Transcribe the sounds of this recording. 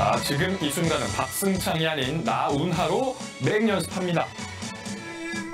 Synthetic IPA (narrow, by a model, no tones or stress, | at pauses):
t͡ɕiɡɯmisʰumɡanɯ̰npak̚s͈ɯŋt͡ɕʰaŋiɦaɲinːaunɦaɾo | me̞ɲʌnsʰɯ̥pʰamɲida